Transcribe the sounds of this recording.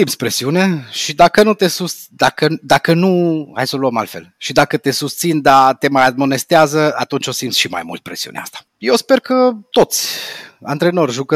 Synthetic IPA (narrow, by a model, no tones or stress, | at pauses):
simt̪sʲpɾe̞siuneʃid̪akənut̪e̞sust̪d̪akəd̪akənua̰jsoluəma̰lt̪fe̞̰lʃid̪akət̪e̞sust̪sind̪at̪e̞majad̪mo̞ne̞st̪eazəat̪unt͡ʃo̞simt̪sʃima̰jmṵlt̪̚pɾe̞siṵnea̰st̪ḁ | jewspe̞rkət̪o̞t̪sʲa̰nt̪ɾe̞no̞rʒukə